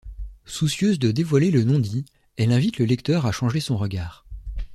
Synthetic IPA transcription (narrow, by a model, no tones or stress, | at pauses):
susjøzd̪əd̪evwalelənɔ̃d̪i | ɛlɛ̃vit̪ləlɛkt̪œʁaʃɑ̃ʒesɔ̃ʁəɡʲaːʁ